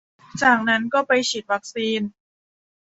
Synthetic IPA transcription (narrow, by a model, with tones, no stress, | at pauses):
t͡ɕaː˨˩k̚na˦˥nkɔː˥˩pa˧jt͡ɕʰi˨˩t̪̚wa˦˥k̚siː˧n